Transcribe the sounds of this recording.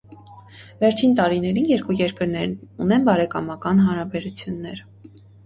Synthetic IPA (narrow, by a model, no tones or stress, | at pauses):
vɛɾt͡ʃʰint̪ɑɾinɛɾinjɛɾkujɛɾkəɾnɛɾnunɛnbɑɾɛkɑmɑkɑnɦɑnɾɑbɛɾut͡sʰjunːɛɾ